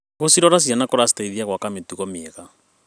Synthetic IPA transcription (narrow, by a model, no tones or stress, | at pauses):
ɣosiɾɔɾas̬ianakɔɾasi̥taiðiaɣwakametuɣɔmːɣa